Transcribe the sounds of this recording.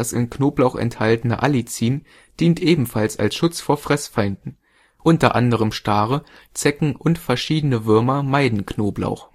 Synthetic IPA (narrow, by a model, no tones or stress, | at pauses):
asɪ̰nknoːblaʊxɛ̰nthaltənə̰ʔalit͡siːm | d̥iːntʔeːbm̩falsa̰lsʃʊt͡sfoːɐfʁ̥ɛsfaɪndn̩ | ʔʊntɐʔa̰ndəʁ̞əmʃtaːʁə | t͡sɛkŋ̩ʔʊntfɛɐʃiːdənəvɪɐmɐmaɪdn̩knoːbla̰ʊx